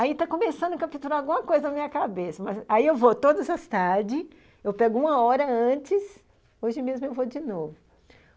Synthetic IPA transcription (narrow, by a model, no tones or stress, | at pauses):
ait̪akõmesɐ̃nd̪ʊkɐfit̪uɾaawɡũmɐkojzɐnɐmĩɲɐkabesɐmɐzaiewvot̪od̪ɐzɐst̪aɾd͡ʒɪ | ewpɛɡʊũmɐɔɾɐɐ̃t͡ʃɪs | oʒɪmezmʊewvod͡ʒɪnovʊ